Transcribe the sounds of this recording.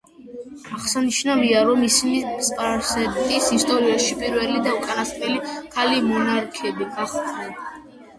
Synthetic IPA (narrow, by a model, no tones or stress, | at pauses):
aχsaniʃnaliaɾɔmisimisʼpʼaɾsɛt̪ʼisist̪ʼɔɾiaʃipʼiɾvɛlid̪aukʼanast̪ʼɛlikʰalimɔnaɾkʰɛbiɡaχt̪ʼnɛ